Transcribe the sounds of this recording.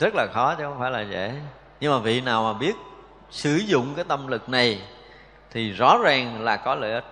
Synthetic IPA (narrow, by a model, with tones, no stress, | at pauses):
zə˦˥t̚laː˨˩xɔ˨˦t͡ɕxə˧ŋ͡mfaː˧˩jlaː˨˩zḛ˧˩˨ | ɲɨ˧ŋmaː˨˩vḭ˧˨naː˨˩wmaː˨˩ɓi˦˥ət̚ | sɨ˧˩zʊ̰˧˨ŋ͡mkaː˨˦jt̪ə˧mlɨ˨˩k̚na˨˩j | t̪ʰi˨˩zɔ̰ɔ̰˨˩˦zaː˨˩ŋlaː˨˩kɔ˨˦lə̰ː˧˨ʔə˨˦